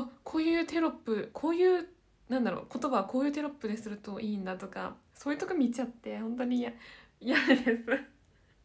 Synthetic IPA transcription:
okʰo̞ːjɯ̟ːt̪e̞ɾo̞pːɯ̟kʰo̞ːjɯ̟ː | nãnd̪aɾo̞̰kot̪o̞baβako̞ːjɯ̟ːt̪e̞ɾo̞pːɯ̟d̪e̞sɨɾɯ̟t̪o̞ʔiːnd̪at̪o̞ka̰ | soːjɯ̟t̪okomʲit͡ɕat̪ːe̞hõ̞nt̪o̞ɲ̟iaijad̪esɨ

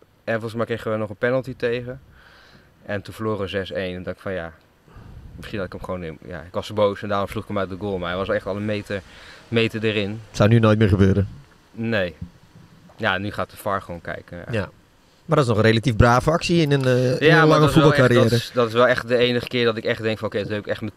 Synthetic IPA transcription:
ɛnfɔlχəsmɛjkreɪxəʋɛlˠnɔχənpɛnəlˠtitejχən | ʔɛntunfəloːrəzɛsejnndɔŋkɪ̥kfɔnja̰ | mɪsχinɑtɪkəmχʋownɪnja̰ɪkʋɑstəbowsɛndaːrʊmsluχɪkəmat̚dəɡoːlˠmaɛtʋɑsʋɛlˠɛχtɔlˠənmejtəmejtədəɾɪntsawnynoːjt̚mɪːɹχəbøːɾə | nej | janːyχaːttdəfɑɹχʋownkɛ̰jkəa̰ja | madɔtɪsnɔχənrelatifbraːvəɑksiɪnənalɑŋəfuɛbɔlˠkaɾijɛːɾəsdɔtɪsʋɛlˠɛχtdəejnəχə̥kɪːɹdɔtɪkɛχtdɛŋkfɔnokejdnɛpɪkɛχtmə

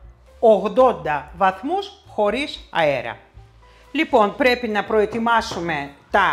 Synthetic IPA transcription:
oɣd̪o̞nd̪ɐvɐθmusxo̞ɾisɐ̰eɾɐ̰ | lipo̞npɾe̞pinɐpɾo̞e̞t̪imɐsume̞t̪ɐ

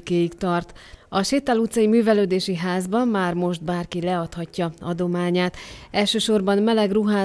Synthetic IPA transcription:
keːjikt̪ɒrt̪ɒʃeːt̪ːalut̪sɒjimyːvɛløːd̪eːʃiɦaːzbɒmːaːrmo̞ʒt̪baːrkilɛɒt̪hɒcːɒɒd̪o̞maːɲaːt̪ɛlʃøːʃo̞rbɒnmɛlɛɡruɦaː

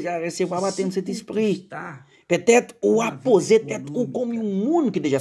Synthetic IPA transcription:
ʒaresebaβat̪ẽnd̪set̪ispɾi | pet̪ɛt̪uapozet̪ɛt̪kokomimũnukɪd̪eʒa

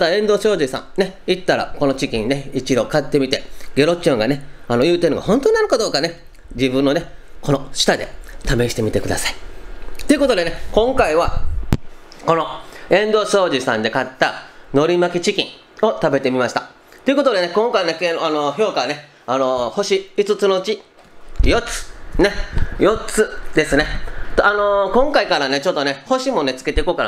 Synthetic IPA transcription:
mat̪aẽ̞nd̪o̞ːɕo̞ːʑisã̰ŋne̞it̪ːaɾa̰ko̞not͡ɕikʲĩɲne̞it͡ɕid̪o̞kat̪ːe̞mʲit̪e̞ɡe̞ɾo̞t͡ɕõŋɡaneano̞jɯ̟ːt̪enoɡa̰hõnt̪oɲnaɾɯ̟kad̪o̞ːkane̞ | d͡ʑibɯ̟̃nːo̞neko̞no̞ɕɨ̥t̪ad̪e̞̰t̪ame̞ɕi̥t̪e̞mʲit̪e̞kɯ̟d̪asai̥t̪o̞iɯ̟ko̞t̪o̞d̪e̞nekõ̞ŋkaiβa | ko̞noẽ̞nd̪o̞ːso̞ːʑisã̰nd̪e̞kat̪ːano̞ɾʲimakʲit͡ɕikʲḭ̃ŋ | o̞t̪abe̞t̪e̞mʲimaɕi̥t̪a | t̪o̞iɯ̟ko̞t̪od̪e̞ne̞kõ̞ŋkaine̞keanoço̞ːkane̞ | ano̞ho̞ɕiit͡sɨt͡sɨno̞ɯ̟t͡ɕi | jo̞t͡sɨ̥nejo̞t͡sɨd̪e̞sɨne̞t̪ano̞kõ̞ŋkaikaɾane̞t͡ɕo̞t̪ːo̞ne̞ho̞ɕimo̞ne̞t͡sɨ̥ke̞t̪eikoːka

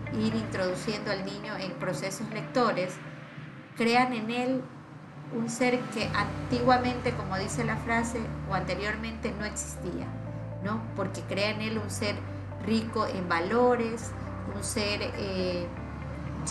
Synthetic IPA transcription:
iɾint̪ɾo̞ðusjend̪oalnĩɲo̞empɾo̞se̞so̞zle̞k̚t̪o̞ɾe̞s | kɾe̞ane̞nel | unse̞ɾke̞ʔant̪iɣwamẽ̞nt̪e̞ko̞mo̞ðise̞lafɾase̞oant̪e̞ɾjo̞ɾmẽ̞nt̪e̞no̞e̞ksi̥st̪ia̰ | no̞po̞ɾke̞kɾe̞aene̞lunse̞ɾ | riko̞ʔembalo̞ɾe̞s | unseɾe

